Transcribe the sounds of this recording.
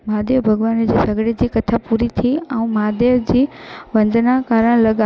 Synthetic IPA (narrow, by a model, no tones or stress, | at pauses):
maːd̪ebʱɐɡʋaːnd͡ʑiːsɐɡɽed͡ʑiːkɐt̪ʰapuːɾit̪ʰiɛ̃ũmaːd̪ed͡ʑiːʋɐ̃nd̪ʱnakaːɾəɽ̃lɐɡa